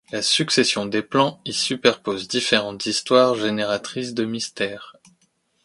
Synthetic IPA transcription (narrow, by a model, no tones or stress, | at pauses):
lasyksesjɔ̃d̪eplɑ̃isypɛʁpozd̪ifeʁɑ̃t̪z̥ist̪waʁʒeneʁat̪χis̬d̪əmist̪ɛːʁ